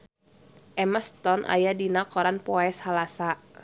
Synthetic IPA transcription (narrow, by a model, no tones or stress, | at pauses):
ʔɛmast̪ɔnʔa̰jadinakɔɾanpɔɛshalasa